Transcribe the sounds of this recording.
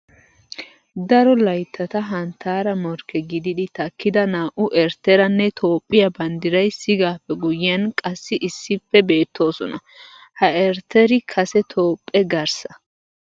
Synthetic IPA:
d̪ɐɾɔlɐjt̪ʰːɐt̪ɐɦɐnt̪ʰːaːɾɐmɔɾkːɛɡɪd̪ɪd̪ɪt̪ɐkːɪd̪ɐnaːʔʊʔɛɾt̪ɛɾɐnːɛt̪ʰo̞ːpʼːɪjɐbɐnd̪ɪɾɐjsɪɡaːpːɛɡʊjɪɐnkʼɐsːɪʔɪsːɪpːɛbeːt̪ʰːo̞ːsɔnɐ̰ | hɐɛɾt̪ʰːɛɾɪkʰɐsɛt̪ʰoːpʼːɛɡɐɾsɐ̥

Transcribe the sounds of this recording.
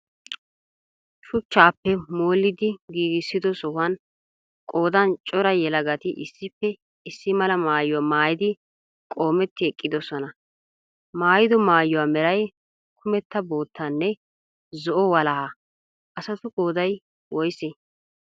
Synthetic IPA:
ʃʊt͡ʃːaːpːɛmoːlːɪd̪ɪɡiːɡɪsːɪd̪ɔsɔwɐn | kʼo̞ːd̪ɐnt͡ʃʼɔɾɐjɛlɐɡɐt̪ɪʔɪsːɪpːɛ | ɪsːɪmɐlɐmaːjʊwaːmaːjɪd̪ɪ | kʼo̞ːmɛt̪ːɪɛkʼːɪd̪ɔsɔnɐ | maːjɪd̪ɔmaːjʊwaːmɛɾɐj | kʰʊmɛt̪ːɐbo̞ːt̪ʰːɐnːɛ | zɔʔɔwɐlɐhɐ | ʔɐsɐt̪ʊkʼoːd̪ɐj | wɔjsɛ

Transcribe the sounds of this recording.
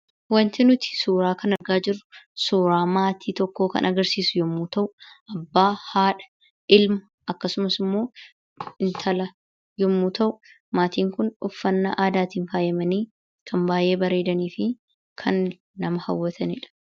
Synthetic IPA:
wɐnt̪ɪnʊt̪ɪ̥suːɾaːkɐnɐɾɡaːd͡ʒɪrːʊ̥suːɾaːmaːt̪ʰiːt̪ɔkːo̞ːkɐ̰nʔɐɡɐɾsiːsʊjɔmːuːt̪ɐʔʊʔɐbːaːhaːᶑɐ̥ | ʔɪlmɐ | ɐkːɐsʊmɐsɪmːo̞ː | ɪnt̪ʰɐlɐ | jɔmːuːt̪ɐʔʊ | maːt̪iːŋkʊnʊfːɐnːa̰ʔaːd̪aːt̪iːnfaːjɛmɐniː | kʰɐmbaːje̞ːbɐɾe̞ːd̪ɐniːfɪ | kʰɐnː | ɐmɐhɐ̰wːɐt̪ʰɐnɪᶑɐ̥

